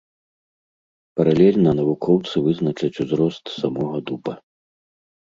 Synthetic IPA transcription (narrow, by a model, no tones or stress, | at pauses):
pɐɾalʲɛlʲnɐnɐvukʰɔwt̪sɨvɨznɐt͡ʂɐt͡sʲuzɾɔst̪samɔɣɐd̪upɐ